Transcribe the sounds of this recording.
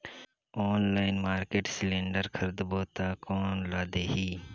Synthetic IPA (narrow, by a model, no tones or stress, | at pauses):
oːnlaːɪnmaːɾkeːʈsɪlẽːɳɖəɾkʰəɾd̪boːt̪aːkoːnlaːd̪eːɦiː